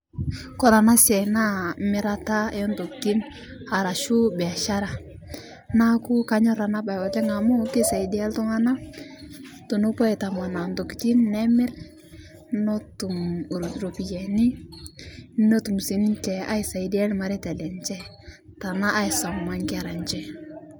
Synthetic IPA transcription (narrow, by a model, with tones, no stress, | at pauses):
kɔ˦ɾa˨na˦sɛ˨na˦mɪ˦ɾa˦ta˦ɛɔ˦ntu˨kti˦n | a˨ɾa˨ʃu˦bɛ˨a˨ʃa˦ɾa˨ | na˦ku˦ka˦ɲɔ˦ɾa˨na˦ba˨ɔ˨lɛ˦ŋa˨mo˦kɪ˦sa˨i˨di˦a˦ltʊ˦ŋa˦na˦ | tu˨no˦pɔ˦i˨ta˨ma˨na˨ndu˨kti˦nːɛ˦mɪ˦ɾ | nɔ˦tu˨m˨ɾɾo˨pi˨jɛ˨ni˦ | no˦tu˨msi˨nt͡ʃɛ˨a̰˦i˨sa˨i˨di˦a˦lma˨ɾɛ˦tɛ˨lɛ˨nt͡ʃɛ˦ | ta˨na˦ʔa˦i˨sɔ˨ŋma˨˦ŋkɪ˦a˨ɾa˨nt͡ʃɛ˦